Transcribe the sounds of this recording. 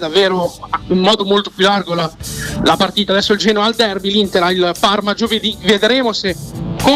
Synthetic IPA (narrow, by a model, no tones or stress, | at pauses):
d̪avːeːɾoimmɔːd̪omolt̪opjulːarɡolalapart̪iːt̪ad̪ɛsːoild͡ʒɛːnoald̪ɛrbilint̪eɾailparmad͡ʒoved̪ived̪ɾeːmosekːo